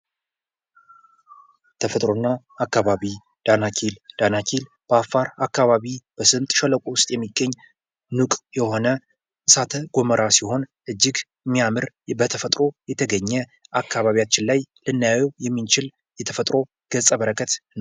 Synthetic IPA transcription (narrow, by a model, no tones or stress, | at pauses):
t̪ʰəfət̪ʼɾonːaː | kːaβaβi | d̪̥anakʰild̪̥anakʰil | b̥əafːaɾakːaβaβib̥əsɨmt̪ʼʃɛləkʷʼuwʊst̪ʼjɛmːiɡːəɲː | nukʼjɛho̞nə | ɨsat̪ʰəɡ̥o̞məɾasiho̞nʔɨd͡ʒːɪɡ | mːijamɨɾ | bət̪ʰəfət̪ʼɾo̞jɛt̪ʰəɡəɲːɛʔakʰːaβaβijat͡ʃːɪnlajlɨnːjawɛwjɛmːint͡ʃɪl | jɛt̪ʰəfət̪ʼɾo̞ | ɡ̥əsʼəβəɾəkʰət̪n